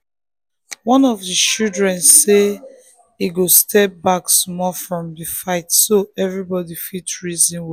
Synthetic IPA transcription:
wɔ̃nɔvdit͡ʃildɹɛ̃nsːe | iɡostʰɛp̚baksmɔfɹɔ̃mdifaɪtsoɛvɹibɔdifitɹizĩnw

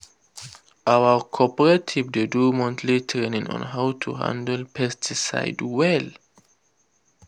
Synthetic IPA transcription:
ʔawəkʰɔpəɹatʰivdedumɔ̃ntʰlitʰɛnĩŋɔ̰̃nɦawtʰṵɦã̰ndəlpʰɛstʰisa̰ɪdwɛl

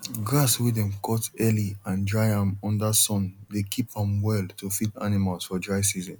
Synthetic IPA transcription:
ɡɹaswidɛ̃mkʰɔtɛliãndɹaɪãmɔ̃ndasɔ̃ndekʰipãmwɛlˠtofita̰nimalz̥fɔdɹaɪsizɔ̃n

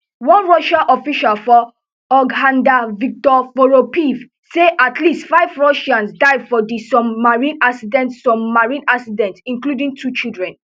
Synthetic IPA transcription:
wɔ̃nɹɔʃaʔɔfiʃalfɔ | ɔɡãndavik̚tɔfoɹopiv | seʔatʰlistfaɪvɹɔʃãnsdaɪdfɔdisɔ̃mmaɹĩnaksidɛ̃ntsɔ̃mːaɹĩnaksidɛ̃ntĩŋkludĩŋtʰut͡ʃildɹɛ̃n

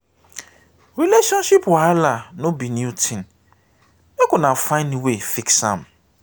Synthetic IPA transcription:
ɾileʃɔ̃nʃipwaalanʊ̃binutʰɪ̃n | mɛkʊ̃nãfãɪ̃nwefiksãm

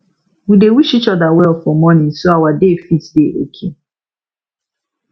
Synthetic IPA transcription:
wudewuʃit͡ʃɔdawɛfɔmɔ̃nɪ̃n̩soawadefitdeʔo̰kʰe

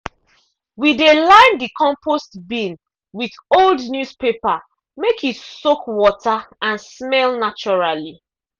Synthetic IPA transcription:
widelãɪ̃ndikʰɔ̃mpostbĩn | wiθoldnjuspepa | mekitsokwɔtʰaãnsmɛlnat͡ʃɔɹali

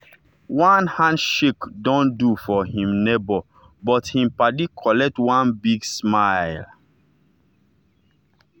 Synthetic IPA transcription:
wãnhãndʃikdɔ̃ndufɔhĩmnebɔ | bɔthĩmpadikʰɔlɛk̚twãnbiɡsmaɪl

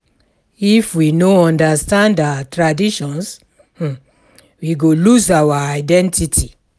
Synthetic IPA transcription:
ifwinoɔ̃ndastãndawatɹadiʃɔ̃ns̩ | wiɡoluzawaaɪdɛ̃ntitʰi

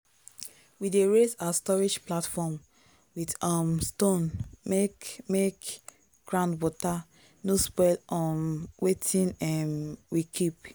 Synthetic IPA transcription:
wideɹesastɔɹid͡ʒplatfɔm | widɔmstõnmekmek | ɡ̥ɹãndwɔta | nuspɛdʔɔmwetʰĩnɛmwikʰip

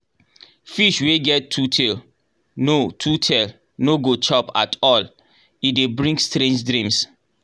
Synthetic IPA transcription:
fiʃweɡɛtʰːutʰel | notʰutʰel | noɡot͡ʃɔpa̰tʰɔl | idebɹĩŋɡstɾẽnd͡ʒdɾĩms

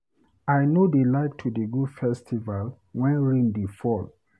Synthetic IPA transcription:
ajnodelaɪk̚tʰudeɡufɛstʰival | wɛ̃nɹĩndefɔl

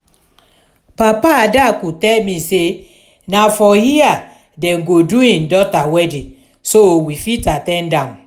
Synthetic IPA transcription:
papadakutɛmĩse | nafɔhia | dɛ̃ŋ̩ɡoduĩn̩dɔtawɛdi | sowifitatɛn̩dam

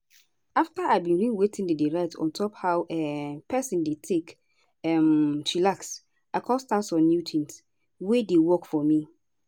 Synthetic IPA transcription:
aftaʔaɪbĩnɹĩwetʰĩndedeɹaɪtɔ̰̃ntʰɔphawʔɛpʰɛsĩndetʰek | ɛmʃilaks | akʰɔstasɔ̃nːjutʰĩns | wedewɔkfɔmi

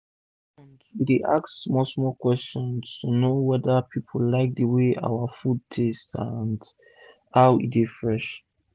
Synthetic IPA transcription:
ãnditeʔa̰ksmosmɔkwɛstɔ̃nstunowɛdəpʰipʰəlaɪk̚dəweʔa̰wəfud̚tʰestã̰nd | haʊḭtefɹɛʃ

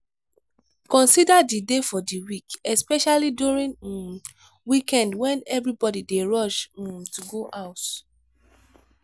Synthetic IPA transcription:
kɔ̃nsidaddidefɔdiwikɛspɛʃaliduɹĩn | wikɛ̃ndwɛ̃nɛvɹibɔdideɹɔʃũtuɡoʔaʊt

